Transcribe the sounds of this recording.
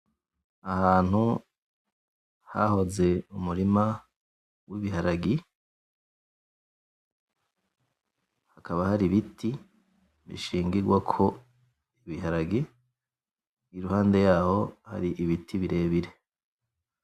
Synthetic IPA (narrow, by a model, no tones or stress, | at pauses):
ahaːn̥hu | ha̰ho̞ze̞umuɾima | wiβiɦaɾaɡi | hakaβahaɾiβiti | βḭʃiːŋɡiɡwakʰo̞ | iβihaɾaɡi | ɡiɾuhaːnde̞jaːho̞ha̰ɾiʔiβitʰiβiɾe̞ːβiɾe̞